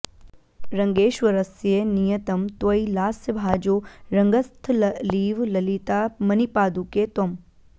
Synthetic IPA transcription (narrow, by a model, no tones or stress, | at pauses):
ɾɐŋɡeːʃʋɐɾɐsjenijɐt̪ɐmt̪ʋɐilaːsjəbʱaːd͡ʒoɾɐŋɡəst̪ʰlɐliːʋlɐlit̪aːmɐnipaːd̪uket̪ɐm